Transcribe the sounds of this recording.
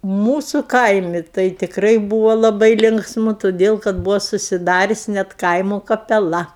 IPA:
ˈmuːsʊ ˈkɐɪmʲɪ tɐɪ tʲɪkˈrɐɪ ˈbuːʋoː lˠɐˈbɐɪ ˈlʲɪŋksmʊ toːˈdʲeːlˠ kɐt ˈbuːʋoː sʊsʲɪˈdɑːrʲʊsʲ nʲɛt ˈkɐɪmoː kɐpʲɛˈlˠɐ

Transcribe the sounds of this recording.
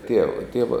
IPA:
ˈtʲiɛʋɐ ˈtʲiɛʋɐ

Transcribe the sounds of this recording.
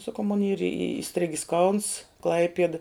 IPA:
sɐˈkɐʊ moːn iːr ɪ ɪˈsʲtʲrʲɪɡʲɪs kɐʊns ˈklˠɐɪpʲiɛdɐ

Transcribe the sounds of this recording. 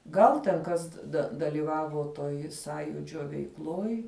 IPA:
ˈɡɐlˠ tʲɛn ˈkɐs dɐ dɐlʲiːˈʋɑːʋoː toːj ˈsɑːjuːd͡ʒʲoː ʋʲɛɪkˈlˠoːj

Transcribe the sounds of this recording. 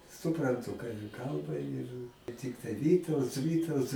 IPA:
sʊprɐnˈtʊ kɑː jiɛ ˈkɐlˠbɐ ɪr ˈtʲɪktɐɪ ˈʋʲiːtɐʊts ˈʋʲiːtɐʊts

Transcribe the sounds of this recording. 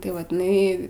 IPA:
tɐɪ ˈʋɐt ɪˈnɐɪ

